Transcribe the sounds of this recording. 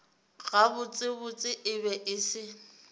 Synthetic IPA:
ɣabʊt͡sʼɪbʊt͡sʼɪʔɪbɛʔɪsɪ

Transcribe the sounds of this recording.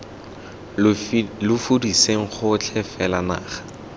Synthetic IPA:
lʊfudiseŋ̩χʊt͡ɬʰɛfɛlana̰ːχḁ

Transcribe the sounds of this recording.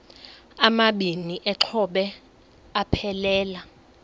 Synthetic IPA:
amaɓiniʔɛǁʰɔɓɛ | apʰɛlɛːla

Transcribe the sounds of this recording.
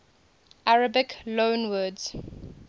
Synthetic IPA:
ʔaɹəbɪklõːnwədz̥

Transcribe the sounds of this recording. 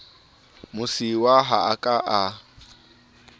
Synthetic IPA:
mʊsiwaɦaakʼaʔa

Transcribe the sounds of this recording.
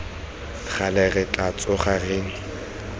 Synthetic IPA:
χalɛɣɪt͡ɬʼat͡sʼʊχareːŋ̩

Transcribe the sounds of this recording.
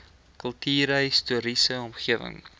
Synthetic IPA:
kəlˠtiːɾəjstuəɾisəɔmχiəvə̰ŋ

